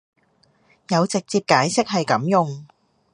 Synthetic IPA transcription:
jɐ˨˧wt͡sɪ˨k̚t͡siː˧p̚kaː˨˥jsɪ˥k̚hɐ˨jkɐ˨˥mjʊ˨ŋ

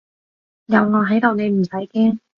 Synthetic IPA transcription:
jɐ˨˧wŋɔː˨˧ɦɐ˨˥jt̪o˨wne˨˧jm̩˨˩sɐ˨˥jkɛː˥ŋ

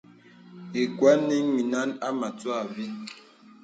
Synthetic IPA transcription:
e˨kwa˦nːi˦ŋi˨na˦na˦ma˨twa˦˨vi˦

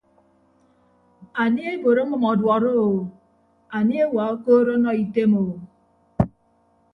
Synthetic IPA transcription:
a˨nje˦bo˨ɾo˦m̩˦ʊ˦mɔ˨dwɔ˨ɾo˦o˨w | a˨n˦e˦wa˨o˦ko˦ɾo˦nɔ˦i˦te˦mo˨w

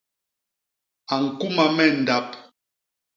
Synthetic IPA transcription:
a˨ŋ̩˨ku˦ma˨mɛ˦˨n̩˨da˦p

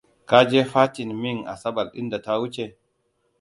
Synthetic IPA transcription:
ka˦d͡ʒeː˦ɸaː˦tɪ˨nmɪ˦ŋʔa̰˨sɐ˦bɐ˨lɗɪ̰˦nda˨ta˦wʊ˦t͡ʃe˨

